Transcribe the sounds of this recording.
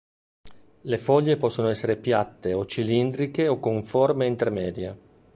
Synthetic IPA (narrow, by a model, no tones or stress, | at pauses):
lefɔʎːepɔsːonoɛsːeɾepjat̪ːeot͡ʃilind̪ɾikeokːoɱformeint̪ermɛːd̪ja